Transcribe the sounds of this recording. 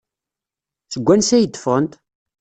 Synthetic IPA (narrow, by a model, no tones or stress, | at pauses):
θəɡʷːænsæjəd̪ːə̥fʁənt̪